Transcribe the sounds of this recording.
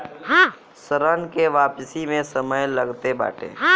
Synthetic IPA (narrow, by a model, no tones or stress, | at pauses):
səɾənkeʋaːpsimẽsəməjləɡt̪eba̰ːʈʰḛː